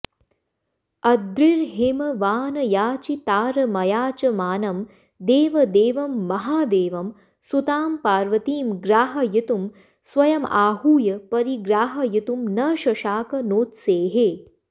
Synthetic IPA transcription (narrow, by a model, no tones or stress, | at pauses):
ɐd̪ɾiɾɦemɐʋaːnɐjaːt͡ʃit̪aːɾɐmɐjaːt͡ʃɐmaːnɐm | d̪eːʋɐd̪eːʋɐmːɐɦaːd̪eːʋɐm | sut̪aːmpaːɾʋɐt̪iːmɡɾaːɦɐjɐt̪um | sʋɐjɐmaːɦuːjɐpɐɾiɡɾaːɦɐjit̪umnɐːʃɐʃaːkɐnoːt̪seːɦeː